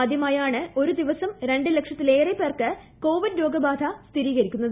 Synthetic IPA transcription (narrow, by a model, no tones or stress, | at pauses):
ad̪ʱjɐmaːjaːɳɨo̞ɾud̪iʋɐsɐmɾe̞ɳɖɨle̞kʂɐt̪ːile̞ːrepːeːrkɨ | ko̞ːʋiɖɾo̞ːɡɐbaːd̪ʱɐst̪ʰiɾiːɣɐɾikʲːunːɐðɨ